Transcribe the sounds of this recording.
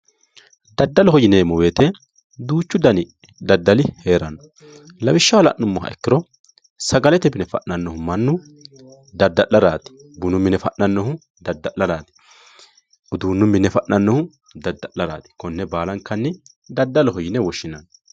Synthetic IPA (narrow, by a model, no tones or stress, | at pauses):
d̪ɐd̪ːɐlɔhɔjɪneːmɔweːt̪ɛ | d̪uːt͡ʃːʊd̪ɐnɪ | d̪ɐd̪ːɐlɪheːɾɐnːɔ | lɐwɪʃːɐwɐlɐ̰ʔːʊmːɔɦɐ̰ɛkːɪɾɔ | sɐɡɐlɛt̪ɛbɪnɛfɐ̰ʔnɐnːɔhʊmɐnːʊ | d̪ɐd̪ːɐʔɐɾaːt̪ɪ̥ | bʊnʊmːɪnɛfɐʔnɐnːɔhʊ | d̪ɐd̪ːɐʔɐɾaːt̪ɪ̥ | ʊd̪uːnːʊmːɪnɛfɐʔnɐnːɔhʊ | d̪ɐd̪ːɐʔɐɾa̰ːt̪ɪ̥kɔnːɛbaːlɐŋkɐnːɪ | d̪ɐd̪ːɐlɔhɔjɪnɛwɔʃːɪnɐnː